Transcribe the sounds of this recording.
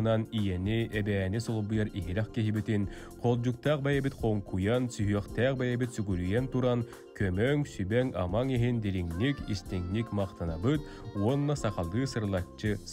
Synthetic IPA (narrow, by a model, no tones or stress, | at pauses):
nanijɛniɛbɛːnisɔlˠbujɑɾiɦiɾɛχkiɦibit̪in | qʰɔlˠd͡ʑuk̚t̪aq̚bɛjɛbit̪qʰɔŋkujansyɦyœχt̪æːq̚bɛjɛbit̪syɡyɾyjɛnt̪uɾan | kœmœŋsybɛŋa̰maŋiɦind̪iɾiŋnikist̪ɛŋnikmɑqt̪anabɯt̪̚ | uɔnːasɑqɑlˠɯːsɯɾlˠat͡ɕːɯs